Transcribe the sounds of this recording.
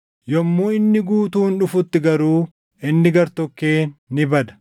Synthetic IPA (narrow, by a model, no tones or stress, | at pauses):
jɔmːuːɪnːɪɡuːt̪uːnᶑʊfʊt̪ːɪɡɐɾuː | ɪnːɪɡɐɾt̪ɔkːeːnːɪbɐd̪ɐ̥